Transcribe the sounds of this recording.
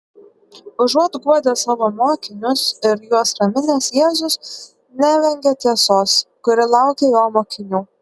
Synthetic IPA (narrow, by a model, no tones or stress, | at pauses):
ʊʒuɔt̪ɡuɔd̪ʲɛːsɑːʋoːmoːkʲɪnʲʊsɪɾjuɔsɾɐmʲɪnʲeːsjeːzʊs | nʲæːʋʲɛŋʲɡʲɛt̪ʲiɛsoːskʊɾʲɪlˠɑˑʊkʲejoːmoːkʲɪnʲuː